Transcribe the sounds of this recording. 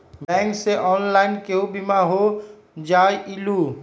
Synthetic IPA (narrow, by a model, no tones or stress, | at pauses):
bɛ̃ːŋkseʔɔːnlaːɪnkeɦobimaɦo | d͡ʒaːjiluː